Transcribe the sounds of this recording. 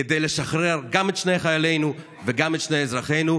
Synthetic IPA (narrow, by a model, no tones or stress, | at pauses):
ed̪ejleʃaχʁeʁɡamet̪ʃnejχajale̞jnu | veɡamet̪ʃnejezʁaχe̞jnu